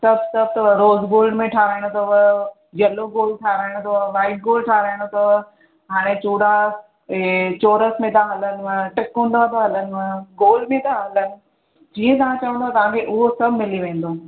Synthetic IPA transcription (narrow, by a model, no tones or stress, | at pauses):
sɐbʱsɐb̚ʱt̪ɐɾoːzɡoːlɖmẽʈʰaːɾaːɪɽ̃ot̪ʰoʋ | d͡ʑɐloɡoːlʈʰaːɾaːɪɽ̃t̪ʰoʋaːɪsɡoːlʈʰaːɾaːɪɽ̃ot̪ʰo | ɦaːɽ̃et͡ɕuːɽa | t͡ɕoːɾəsmẽt̪ʰaɦɐlənɪ̆ʋə̃ʈɪkɦũːnd̪at̪aɦɐlənɪ̆ʋə̃ɡoːlmẽt̪aɦɐlənɪ̆ | d͡ʑiːə̃t̪ɐʋ̤ãt͡ɕɐʋə̃nd̪otːat̪ɐʋ̤ãkʰeʔʊɦosɐbʱmɪliʋẽːn̆d̪oː